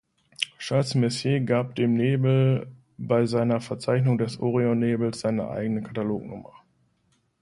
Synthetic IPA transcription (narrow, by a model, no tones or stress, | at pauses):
ʃasmɛsjeːɡaːp̚d̥eːmneːbl̩ | baɪzaɪnɐfɛɐt͡saɪçnʊŋdɛsʔoːʁioneːbl̩sz̥aɪnə̰ʔa̰ɪɡənəkʰataloːknʊ̰mɐ